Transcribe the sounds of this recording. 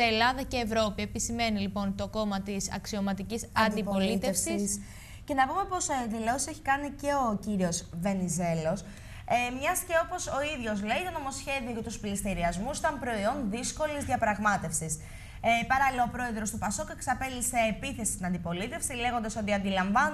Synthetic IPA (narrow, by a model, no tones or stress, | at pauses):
elɐðɐce̞ːvɾo̞pie̞pisime̞nilipo̞nt̪o̞ko̞mɐt̪isɐ̰ksio̞mɐt̪icisɐnd̪ippolit̪efsiss | ce̞nɐpume̞po̞sðilosiseçi̥kɐnice̞o̞ciɾio̞sve̞nize̞lo̞s | mɲɐsce̞o̞po̞so̞iðʝo̞zle̞it̪ono̞mo̞sçe̞ðio̞ce̞t̪usplist̪iɾiɐzmust̪ɐmpɾo̞io̞nðisko̞lizðjɐpɾɐɣmɐt̪e̞fsis | pɐɾɐlilɐopɾo̞e̞ðɾo̞st̪upɐsokeksɐpelise̞ːpiθe̞si̥st̪inɐnd̪ipo̞lit̪e̞fsile̞ɣo̞nd̪ɐso̞t̪iɐnd̪ilɐɱvɐn